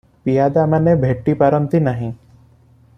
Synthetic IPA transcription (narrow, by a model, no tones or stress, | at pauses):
pijaːd̪amãnebʱeːʈːipaɾəmt̪inaɦĩ